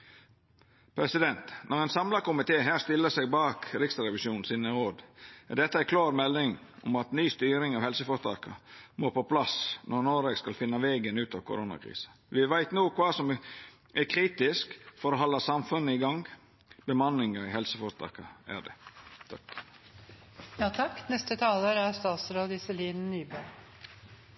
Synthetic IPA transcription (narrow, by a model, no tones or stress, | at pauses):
pʰɾɛsɪd̪ɛnt̪nʔɔɾɛɪnsɑmlɑkʊmɪt̪ʰeːɦæːst̪ɪlːəsɛɡbɑːkɾɪkst̪ɑɾɛʋɪʃjuːnnsinəɾoːd̪ɛɖ̪ɛt̪ːəækʰlɑːɾmɛlnɪŋɔ̰mɑt̪nyːst̪yːɾɪŋɑʋhɛlsəfɔɾt̪ʰɑ̰ːkə̰moːpʰɔpʰlɑsnʔɔɾnoːɾeɡskɑlfɪnːɑʋɛːɡənʉːt̪ɑʋkʰʊ̰ɾoːnɑ̰kʰɾḭːsə̥ | ʋɪʋæɪt̪nuːkʰʋɑːsɔm | ʔækʰɾiːt̪ɪskfɔɾɔɦɔlːɑsɑmfʉnːəɪɡɑŋ | b̥əmɑnːɪŋəɾɪhɛlsəfɔɾt̪ʰɑ̰ːkə̰æ̰ɖɛ̰t̪ʰɑk | jɑːt̪ʰɑkːnɛst̪ət̪ʰɑːləɾæɾst̪ɑːt̪sɾoːd̪ɪsɛliːn̩nyːbə